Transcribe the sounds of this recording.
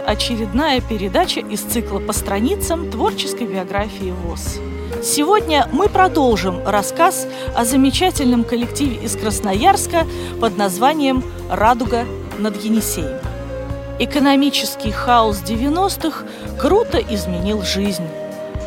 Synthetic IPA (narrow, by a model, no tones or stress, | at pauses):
ɐt͡ɕɪɾʲɪd̪najəpʲɪɾʲɪd̪at͡ɕəʔɪst̪sɨklˠəpəst̪ɾɐnʲit̪səmt̪vo̞rt͡ɕɪskəjbʲɪɐɡɾafʲɪɪvos | sʲɪvodʲnʲəmɨpɾɐd̪o̞lˠʐɨmrɐskas | ɐzəmʲɪt͡ɕatʲɪlʲnɨmkəlʲɪktʲivʲɪʔɪskɾəsnɐjarskə | pəd̪nɐzvanʲɪjəm | rad̪ʊɡə | nəd̪jɪnʲɪsʲejm | ɪkənɐmʲit͡ɕɪskʲɪjxaʊs̬dʲɪvʲɪno̞st̪ɨx | kɾut̪əʔɪzmʲɪnʲilˠʐɨzʲnʲ